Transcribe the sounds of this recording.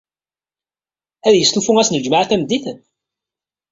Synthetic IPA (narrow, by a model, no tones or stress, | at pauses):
æðjəst̪ufuŋæsnəd͡ʒmaʕaθæmd̪iθən